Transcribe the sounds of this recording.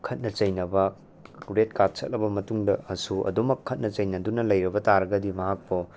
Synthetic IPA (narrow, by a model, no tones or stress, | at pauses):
kʰɐt̚nɐt͡ʃɐjnɐbɐ | ɾet̚kat̚t͡ʃʰɐt̚lɐbɐmɐtuŋdɐɐsuʔɐ̰dumɐkʰːɐt̚nɐt͡ʃɐjnɐdunɐlɐjɾɐbɐtaɾɐɡɐdimɐɦak̚po